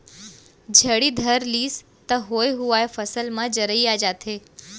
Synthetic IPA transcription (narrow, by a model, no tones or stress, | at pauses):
d͡ʒʱəɽiːd̪ʱəɾliːs | t̪ɐɦoːjɦuʋaːjfɐsəlmãd͡ʑəɾəiaːd͡ʒaːt̪ʰeː